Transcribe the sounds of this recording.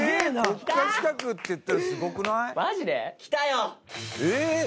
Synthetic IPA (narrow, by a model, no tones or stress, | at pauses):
enḁt̪aːat͡ɕi̥kakɯ̟t̪ːejɯt̪ːaɾasɨɡo̞kɯ̟naimaʑid̪ekʲi̥t̪ajoe